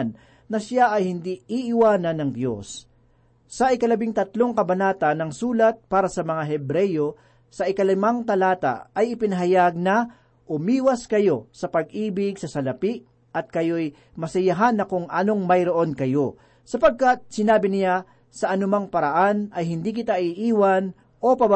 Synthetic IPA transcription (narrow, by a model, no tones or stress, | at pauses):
nː | ɐsaʔɐjhɪnd̪iiʔɪwaːnɐnːɐŋd̪jo̞̰sː | ɐʔɪkɐlɐbɪŋt̪ɐt̪lo̞ŋkɐbɐnaːt̪ɐnːɐŋsuːlɐt̪̚paːɾɐsɐmɐŋaɦɛbɾɛjo | sɐʔɪkɐlɪmaŋt̪ɐlaːt̪a̰ɐjɪpɪnɐɦɐjaɡ̚nɐ | ʔʊmiːwɐskɐjo̞sɐpɐɡ̚ʔiːbɪɡsɐsɐlɐpiʔ | ɐt̪̚kɐjo̞j | mɐsɐjɐɦanːɐkʊŋʔɐno̞ŋmɐjɾoʔo̞nkɐjo̞ | sɐpɐɡ̚kat̪̚sɪnaːbɪnɪja | sɐʔɐnʊmaŋpɐɾɐʔanʔɐjɦɪnd̪iːkɪt̪aʔɪʔiːwɐn | ʔo̞pɐb